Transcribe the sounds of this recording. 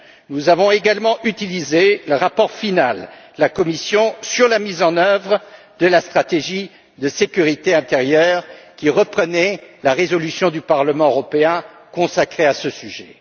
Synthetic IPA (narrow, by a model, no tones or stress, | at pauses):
nuzavɔ̃eɡalmɑ̃ʔyt̪ilizeləʁapɔʁfinal | lakɔmisjɔ̃syʁlamizɑ̃nœvʁə | d̪əlast̪χat̪eʒi | d̪əsekʲyʁit̪eɛ̃t̪eʁjœːʁkʲiʁəpχənɛlaʁezɔlysjɔ̃d̪ypaʁləmɑ̃øʁɔpeɛ̃ | kɔ̃sakχeasəsyʒɛ̰